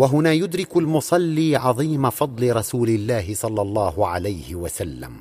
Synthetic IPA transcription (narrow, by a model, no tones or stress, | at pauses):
waɦʊnaːjʊd̪ɾɪkʊlmʊsˤɑlːiːʕɑðˤiːmafɑd̪ˤlɪɾˤɑsuːlɪlːaːɦɪsˤɑlːɑlˤːɑːhʊʕalajhɪwasalːa̰m